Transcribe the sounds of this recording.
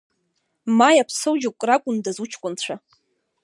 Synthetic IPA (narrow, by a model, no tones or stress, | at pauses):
majapʰsowd͡ʒokʷʼrakʷʼʊndazut͡ʃʰkʷʼʊnt͡ɕʷʰa